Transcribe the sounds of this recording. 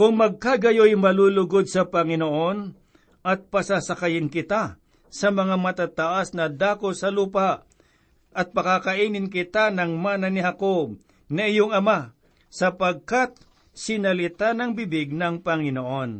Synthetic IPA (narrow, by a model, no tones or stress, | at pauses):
kʊŋmɐɡ̚kaɡɐjojmɐluːlʊɡod̪̚sɐpɐŋɪnoʔo̞n | ɐt̪̚pɐsasɐkɐjɪnkɪt̪a | sɐmɐŋamɐt̪aːt̪ɐʔasnɐd̪aːkosɐluːpaʔ | ʔɐt̪̚pɐkakɐʔiːnɪnk̬ɪt̪anɐŋmaːnɐnɪhakob̚ | nɐʔɪjoŋɐma | sɐpɐɡ̚kat̪̚ | sɪnɐlɪt̪anɐŋbibɪɡ̚nɐŋpɐŋɪnoʔo̞n